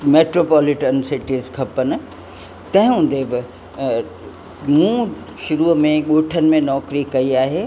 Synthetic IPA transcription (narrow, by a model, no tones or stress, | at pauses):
meːʈɾoːpɔːlɪʈənsɪʈizkʰɐpən̆ | t̪ɐ̃ɦɪ̃ɦũn̆d̪ebɪ | mũː | ʃʊɾumẽɠoːʈʰənɪ̆mẽnɔːkɾikɐiaːɦeː